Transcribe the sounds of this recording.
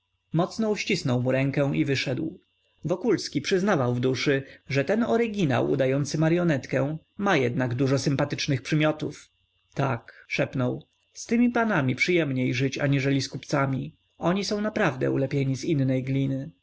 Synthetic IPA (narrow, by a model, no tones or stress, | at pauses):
mɔt̪snɔuɕt͡ɕisnɔwmuɾɛŋkɛw̃ʔivɘʂɛd̪w | vɔkulskʲipʂɘznavawvd̪uʂɘʐɛt̪ɛnɔɾɘɡʲina̰wʔṵd̪ajɔnt̪sɘmaɾjɔnɛt̪kɛ | majɛd̪naɡd̪uʐɔsɘmpat̪ɘt͡ʂnɘxpʂɘmʲjɔt̪uf | t̪akʂɛpnɔw | st̪ɘmʲipanamʲipʂɘjɛmɲejʐɘt͡ɕa̰ɲiʐɛlʲiskupt̪samʲi | ɔɲisɔ̃w̃napɾavd̪ɛ̰ulɛpʲjeɲizinːɛjɡlʲinɘ